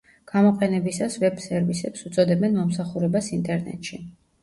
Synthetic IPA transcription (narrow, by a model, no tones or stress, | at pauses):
ɡ̥amɔqʼɛnɛbisasvɛb̥sɛɾvisɛpsut̪sʼɔd̪ɛbɛnmɔmsaχuɾɛbasint̪ʼɛɾnɛ̰t̪ʼʃi